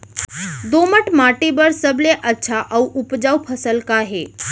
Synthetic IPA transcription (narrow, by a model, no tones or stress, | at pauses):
d̪oməʈmaʈebəɾsəbleʔətːʃʰaʔəuʔʊpd͡ʒaupʰəsəlkaɦe